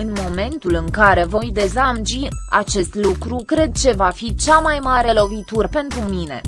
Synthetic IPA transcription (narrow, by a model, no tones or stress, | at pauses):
ɨnmo̞me̞nt̪ulɨŋkaɾe̞vo̞jd̪e̞zamd͡ʒia̰t͡ʃe̞st̪lukɾukɾe̞d̪̚t͡ʃe̞vafit͡ʃamajmaɾe̞lo̞vit̪urpe̞nt̪ɾumine̞̰